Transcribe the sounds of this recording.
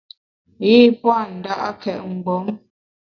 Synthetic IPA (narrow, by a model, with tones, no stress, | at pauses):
ji˦˨pwa˦˨n̩˨da˦ʔa˦kɛ˨ʔŋ̩˨ɡɔ˨˦ŋ